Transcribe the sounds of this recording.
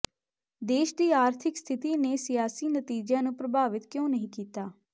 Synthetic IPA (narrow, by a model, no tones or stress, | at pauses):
d̪eːʃd̪iːaːɾt̪ʰɪkst̪ʰɪt̪iːneːsɪjaːsiːnət̪iːd͡ʒãːnũːpɾəbʱaːʋɪt̪kjõːnəɦĩːkiːt̪aː